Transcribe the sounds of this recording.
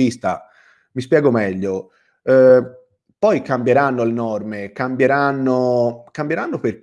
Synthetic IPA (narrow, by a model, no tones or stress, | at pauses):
ist̪a̰ | mispjɛːɡomɛʎːo | pɔjkambjeɾanːolenɔrmekambjeɾanːokambjeɾanːoper